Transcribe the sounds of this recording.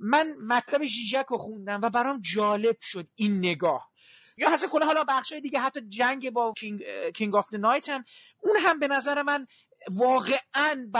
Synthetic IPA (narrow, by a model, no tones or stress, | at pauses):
mænmæt̪ʰlæbe̞ʒiːʒækʰoxund̪æmvæbæɾɒmd͡ʒɒːle̞b̥ʃod̪inːe̞ɡɒːh | jɒːhæsænxolɛɦɒːlɒbæxʃɒːje̞d̪iːɡeɦæt̪ʰːɒːd͡ʒæŋɟebɒːkʰikʰiŋɡɒft̪enɒjt̪ʰæm | unɦæmbe̞næzæɾe̞mæn | vɒːɣe̞ʔænb